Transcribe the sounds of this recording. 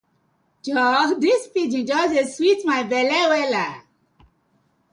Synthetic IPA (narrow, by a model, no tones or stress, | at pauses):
d͡ʒɔdispid͡ʒĩnd͡ʒɔseswitmaɪbɛlɛwɛla